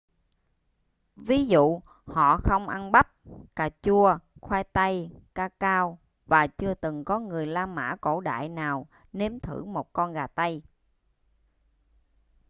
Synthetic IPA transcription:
vi˨˦zṵ˧˨ | hɔ̰˧˨xə˧wŋ͡mʔa˧nɓa˦˥p̚kaː˨˩t͡ɕu˧əxwɛː˧jt̪a˧jkaː˧kaː˧w | vaː˨˩t͡ɕɨ˧ət̪ɨ˨˩ŋkɔ˨˦ŋɨ˨˩əjlaː˧mma̰ː˧˥ko̰˧˩ɗa̰ː˧˨jnaː˨˩w | ne˨˦mt̪ʰɨ̰˧˩mo˨˩t̚kɔ˧nɣaː˨˩t̪a˧j

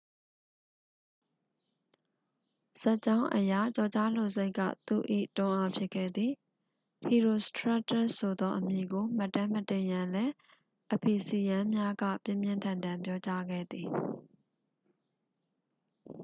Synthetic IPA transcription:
z̥a˦˨ʔt͡ɕã˦ʊ̃ʔəja˨t͡ɕɔ˨t͡ɕa̰˦˨lo˨ze˦ɪkːä̰˦˨t̪ṵ˦˨ʔḭ˦˨tʊ̃˦ʔa˦pʰjɪ˦ʔkʰːɛ̰˦˨d̪ði˨ | hi˨ɹo˨stɹa˦tɛ˦˨so˨d̪ɔ˦ʔəmji˨ɡo˨m̥ə˦˨tːã˦mətẽ˨jã˨lɛ˦ | ʔəpʰi˨si˨jã˦mja˦ɡä̰˦˨pjɪ̰̃˦˨mjɪ̃˦˨ntʰã˨ndã˨mpjɔ˦t͡ɕa˦ɡɛ̰˦˨d̪ði˨

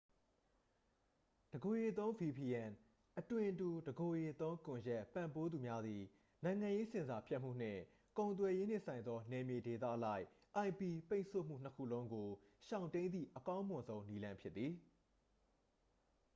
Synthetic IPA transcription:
d̥əɡo˨je˨t̪õ˦ʊ̃vi˨pi˨ɛ̃˨n | ʔətwɪ̃˨ʔtu˨dəɡo˨je˨t̪õ˦ʊ̃kʊ̃˨jɛ˦ʔpã˦˨mpo˦d̪u˨mja˦d̪ði˨ | nã˨ɪ̃ŋã˨je˦sɪ̃˨nza˨pʰjɛ˦ʔm̥ṵ˦˨n̥ɪ̰̃˦˨ | kõ˨ʊ̃nt̪̬wɛ˨je˦n̥ɪ̰̃˦˨sʰã˨ɪ̃nd̪ɔ˦nɛ˨mje˨de˨t̪ä̰˦˨ʔəla˦ɪʔ | ʔã˨ɪ̃pi˨pe˦ɪ̃sʰo̰˦˨m̥ṵ˦˨n̥əkʰṵ˦˨lõ˦ʊ̃ŋɡo˨ʃã˨ʊ̃ntẽ˦ɪ̃nd̪ðḭ˦˨ʔəkã˦ʊ̃mʊ̃˨nzõ˦ʊ̃ni˦lã˦mpʰjɪ˦t̪t̪ːi˨

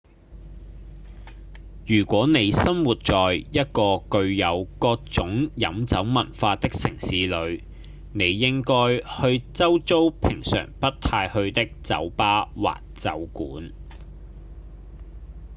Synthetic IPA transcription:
jyː˨˩kʷɔː˨˥ne˨˧jsɐ˥mwuː˨t̚t͡ʃɔː˨jjɐ˥t̚kɔː˧kɵ˧ɥjɐ˨˧wkɔː˧k̚t͡sʊ˨˥ŋjɐ˨˥mt͡sɐ˨˥wmɐ˨˩nfaː˧t̪ɪ˥k̚sɪ˨˩ŋsiː˨˥lɵ˨˧ɥ | ne˨˧jːɪ˥ŋkɔː˥jhɵ˧ɥt͡sɐ˥wt͡so˥wpʰɪ˨˩ŋsœ̰ː˨˩ŋpɐ˥t̚t̪ʰaː˧jhɵ˧ɥt̪ɪ˥k̚t͡sɐ̰˨˥wpaː˥wa̰ː˨k̚t͡sɐ̰˨˥wkṵː˨˥n

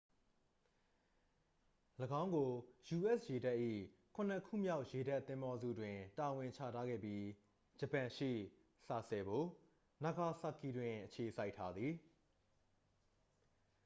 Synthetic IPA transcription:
ləɡã˦ʊ̃ŋɡo˨ju˨ʔɛ˦sje˨da˦ʔḭ˦˨kʰʊ̃˨n̥ə˨kʰṵ˦˨mja˦ʊʔje˨da˦ʔt̪ːɪ̃˦mbɔ˦zṵ˦˨dwɪ̃˨ta˨wɪ̃˨ɲt͡ɕʰä̰˦˨tʰa˦ɡɛ̰˦˨bji˦ | d͡ʑə˨pã˨ʃḭ˦˨ | sa˨sɛ˨ɡo˨ | na˨ɡa˨sa˦˨ki˨dwɪ̃˨ʔət͡ɕʰe˨sa˦ɪʔtʰːa˦d̪ði˨

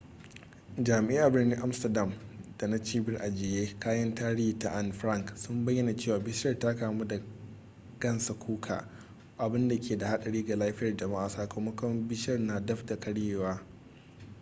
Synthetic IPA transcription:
d͡ʒaː˨mɪ˨ʔiː˦ʔa˨bɪ˦rni˦ʔa˦mstɐ˨da˨md̥a˨na˦t͡ʃiː˦bɪ˦rʔa˨d͡ʒɪː˨jeː˦kaː˦jɐ˦ntaː˦ɽi˦hi˨ta̰˦˨ʔa˦˨nɸɾɐ˦˨ŋksʊ˦mbɐ˦jːɐ˨na˨t͡ʃeː˦˨waː˨bɪ˦ʃɐ˦rtaː˦kaː˨mu˦da˨ | ɡ̥ɐ˦nsa˨kʷʰuː˦kʰa̰ː˨ | ʔa˨bɪ˦nda˨kʲeː˨da˨ha˦ɗɐ˨ɽiː˦ɡa˨laː˦ɸɪ˦jɐ˨rd͡ʒɐ˨maː˦ʔa˨saː˨ko˨˦mɔ˦kɔ˦mbɪ˦ʃɐ˦rnaː˨dɐ˦ɸda˨kɐ˦ɽjeː˦waː˦

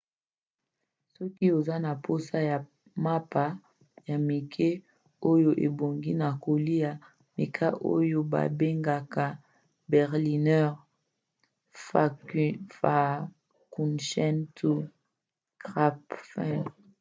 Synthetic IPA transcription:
sɔ˦ki˦o˨za˦na˨pʰo˦sa˦ja˨ | ma˦pa˨ | ja˨mi˨kʰe˦ | o˦jo˦ʔḛ˨bo˨ŋɡi˦na˨ko˨li˦ja˨ | mi˨kʰa˦ʔo̰˦jo˦ba̰˨be˦ŋɡa˨ka˨ | bɛ˨ʁli˨nɛ˦˨ʁ | fa˨fa˨ | ku˨nʃɛ˦ntu˦ | kʁa˦pfɛ˦n

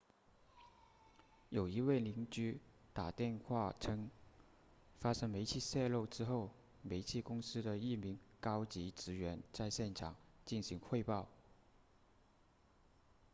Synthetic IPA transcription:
jo˨˩ʊi˧˥we˥˩ɪli˧˥ŋt͡ɕy˥ | t̪a˨˩t̪jɛ˥˧nxwa˥˧ʈ͡ʂʰɤ˥ŋ | fa˥ʂɤ˥ŋme˧˥ɪt͡ɕʰi˥˧ɕjɛ˥˧lo˥˩ʊʈ͡ʂɻ̩˥xo˥˩ʊ | me˧˥ɪt͡ɕʰi˥˧kʊ˥ŋsɹ̩˥d̪ə˨i˥˩mi˧˥ŋkɑ˥ʊt͡ɕi˧˥ʈ͡ʂɻ̩˧˥ɥɛ˧˥nt͡sa˥˧ɪɕjɛ˥˩nʈ͡ʂʰɑ˨˩ŋt͡ɕi˥˩nɕi˧˥ŋxwe˥˧ɪpɑ˥˩ʊ

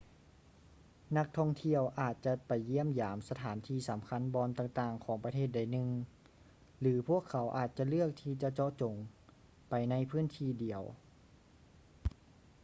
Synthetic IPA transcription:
na˧˥k̚t̪ʰɔ˧˥˩ŋt̪ʰi˧əwʔaː˨˩t̪̚t͡ɕa˧pa˨˩jːi˧˥˩əmjaː˩˦msa˧t̪ʰaː˩˦nt̪ʰiː˧˩sa˨˩˦mkʰa˧˥˨nbɔː˧nt̪aː˧˩ŋt̪aː˨˩ŋkʰɔː˩˦ŋpa˧t̪ʰeː˥˩t̪̚da˧˩jnɯ˧ŋ | lɯː˩˦pʰu˥˩əkʰːa˩˦wʔaː˨˩t̪̚t͡ɕa˧lɯ˥˩ək̚t̪ʰiː˧˩t͡ɕa˧t͡ɕɔ˧t͡ɕo˨˩ŋ | pa˨jna˧˥jpʰɯː˥˨nt̪ʰiː˧˩di˨˩əw

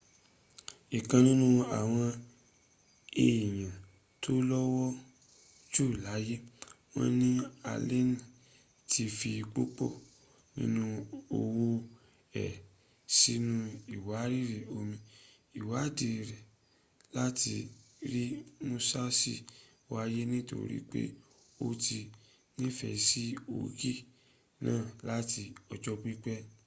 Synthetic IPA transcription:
i˨kã˧nĩ˦nũ˦a˨w̃ɔ̃˧ | e˨i˨j̃ã˨ | tʰo˦lɔ˦wɔ˦ | d͡ʒu˦˨la˨˦je˦ | w̃ɔ̰̃˦nĩ˦a̰˧le˦n˨ | tʰi˧fi˧k͡po˦k͡po̰˦˨ | nḭ̃˦nũ˦o˧wo˦ | ɛ̰˨ | si˦nũ˦i˨wa˨˦ɾi˦˨ɾe˨o˧mĩ˧ | i˨wa˨˦de˨ɾɛ˨ | la˦ti˧ | ɾi˦mũ˧sa˦si˦ | wa˧je˦nĩ˦to̰˧ɾḭ˦k͡pḛ˦ | o˧ti˧ | nĩ˦fɛ˨si˦o̰˨˦ɡi˦ | nãː˦˨la˦ti˧ɔ˧d͡ʒɔ˦k͡pi˦k͡pɛ˦

